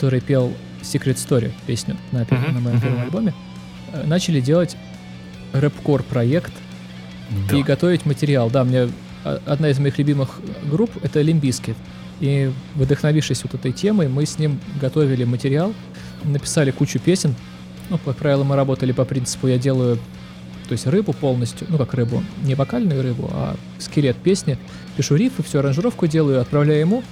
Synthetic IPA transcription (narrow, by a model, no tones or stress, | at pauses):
kɐt̪o̞ɾɨjpʲe̞lˠ | sʲɪkɾʲet̪st̪o̞ɾʲɪ̰pʲesʲnʲʊnəpʲenəmɐjomɡʲɪvomɐlʲbo̞mʲɪ | nat͡ɕɪlʲɪdʲe̞lˠətʲ | rɛpko̞rpɾɐe̞kt̪ | iɡɐt̪o̞vʲɪtʲmətʲɪɾʲɪalˠd̪amnʲe | ɐ̰ɐd̪naɪzmɐixlʲʊbʲimɨxɡɾupɛt̪əlʲɪmʲbʲiskʲɪt̪ | ivd̪əxnɐvʲifʂɨsʲvot̪ɛt̪əjtʲe̞məjmɨsʲnʲimɡɐt̪o̞vʲɪlʲɪmətʲɪɾʲɪalˠ | nəpʲɪ̥salʲɪkut͡ɕʊpʲesʲɪn | nukɐk̚pɾavʲɪlˠəmɨɾɐbo̞t̪əlʲɪpɐpɾʲint̪sɨ̥pʊjadʲe̞lˠəjʊ | t̪o̞ɪsʲtʲrɨbʊpo̞lˠnəsʲt̪ʲjʊnukakrɨbʊ̰nʲɪvɐkalʲnʊjʊɾɨbʊ̰a̰ | skʲɪlʲe̞t̪̚pʲesʲnʲɪ | pʲɪʂuɾʲifɨfsʲuɐɾənʐɨɾo̞fkʊdʲe̞lˠəjʊɐt̪̚pɾɐvlʲæjʊjɪmu